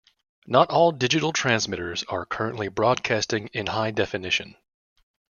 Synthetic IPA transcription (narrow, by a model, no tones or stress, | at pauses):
nəɾɔlˠdɪd͡ʒɨɾl̩ˠtʰɹ̥æ̃nzmɪɾə˞zə̰˞kʰɜ˞ɨ̃nʔlibɹɔd̚kʰæstɪ̃ŋɪ̃nhaɪdɛfɨnɪʃɨ̰̃n